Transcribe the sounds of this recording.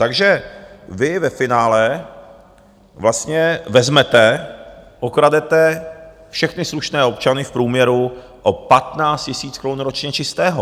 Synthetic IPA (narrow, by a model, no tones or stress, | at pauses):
t̪aɡʒɛvɪvɛfɪnaːlɛ | vlast̪ɲɛvɛzmɛt̪ɛ | ʔokɾadɛt̪ɛ | fʃɛxnɪsluʃnɛːo̞pt͡ʃanɪfpɾuːmɲɛɾu | ʔopat̪naːt͡st̪cɪsiːt͡skɾonuɾot͡ʃɲɛt͡ʃɪst̪ɛːɦo